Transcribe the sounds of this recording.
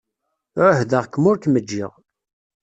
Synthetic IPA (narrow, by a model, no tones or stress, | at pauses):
ɾʊhðəʁkːmʊɾkməd͡ʒːḭʁ